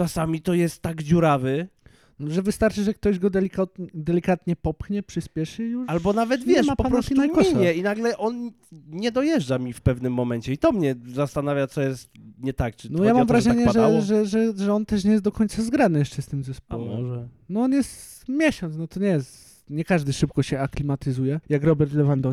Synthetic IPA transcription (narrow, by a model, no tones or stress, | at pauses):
asamʲit̪ɔjɛst̪ːaɡd͡ʑuɾavɘ | nɔʐɛvɨst̪aɾt͡ʂɘʐɛk̚t̪ɔʑɡɔd̪ɛlʲikat̪̚ɲɛd̪ɛlʲikat̪ɲɛpɔpxɲɛpʂɘspʲjɛʂɘijuʂalbɔnavɛd̪vʲjɛʂapɔpapɾɔsinajɔɲɛinaɡlɛʔɔn | ɲɛd̪ɔjɛʐd͡ʐamʲifpɛvnɘmːɔmɛɲt͡ɕɛit̪ɔmɲɛzast̪anavʲjat̪sɔjɛst̪ɲɛt̪ak̚t͡ʂɨ̥nɔjamamvɾaʒɛaɲɛʐɛʐɛʐɛʐɛɔnt̪ɛʂ̬ɲɛjɛst̪d̪ɔkʰɔɲt̪sazɡɾanɨjɛʂt͡ʂɛst̪ɘmzɛspɔwɛmɛ | nɔɔnjɛst̪ | mʲjɛɕɔnt̪nɔt̪ɔɲɛjɛst̪ | ɲɛkaʐd̪ɘʂɘp̚kɔɕɛaklʲimat̪ɘzujɛjakɾɔbɛɾt̪lɛvand̪ɔ